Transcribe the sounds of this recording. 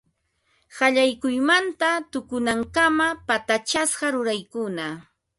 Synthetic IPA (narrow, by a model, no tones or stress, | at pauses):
hɑʎajkʊjmant̪at̪ʊkʊnaŋkamapat̪at͡ʃasɢɑɾʊɾajkʊna